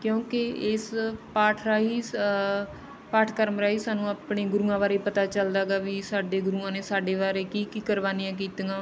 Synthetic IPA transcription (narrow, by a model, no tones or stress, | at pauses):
kjõːkɪɪspaːʈʰɾaːɦiː | paːʈʰkəɾəmɾaːiːsaːnũːaːpɳeːɡʊɾuːãːʋaːɾeːpət̪aːt͡ʃəld̪aːɡaːʋiːsaːɖeːɡʊɾuːãːneːsaːɖeːʋaːɾeːkiːkiːkəɾʋaːnijãːk̬iːt̪ɡãː